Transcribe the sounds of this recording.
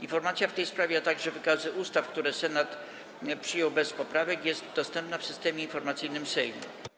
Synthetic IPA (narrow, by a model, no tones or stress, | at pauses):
infɔɾmat̪sjaft̪ɛjspɾavʲjat̪aɡʐɛvɘkazɘʔust̪afkt̪uɾɛsɛnat̪ | pʂɘjɔwbɛspɔpɾavɛkjɛst̪d̪ɔst̪ɛmpnafsɘst̪ɛmʲjɛinfɔɾmat̪sɘjnɘmsɛjnṵ